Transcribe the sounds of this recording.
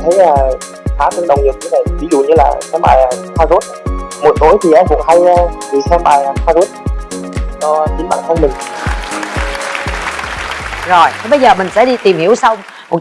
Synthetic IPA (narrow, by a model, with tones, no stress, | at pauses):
t̪ʰe˨˦jaː˨˩ | faː˨˦˥t̪ɨ˧ŋɗə˨˩wŋ͡mɲɨ˨˩k̚ɲɨ˧na˨˩jvi˨˦zṵ˧˨ɲɨ˧laː˨˩sɛ˧mɓaː˨˩ja˨˩xʰaː˧zo˦˥t̚mo˨˩t̚t̪o˨˦jt̪ʰi˨˩ʔaː˧nkʊ̰˧˥əŋ͡mha˧jvi˨˩sɛ˧mɓaː˨˩ja˨˩xʰaː˧zo˦˥t̚ | t͡ɕɔ˧ɲi˨˦nɓa̰ː˧˨nt̪ʰa˧nmï˨˩ŋ | zo˨˩jt̪ʰe˨˦ɓə˧jzəː˨˩mï̟˨˩sɛ̰˧˥ɗi˧t̪i˨˩mhi˧˩əwsa˧wŋ͡m | mo˨˩t̚